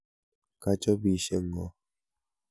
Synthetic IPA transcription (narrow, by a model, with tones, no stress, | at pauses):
ka˦t͡ʃɔ˦bi˨ʃe˦ŋ̩˨ɡɔ˨˦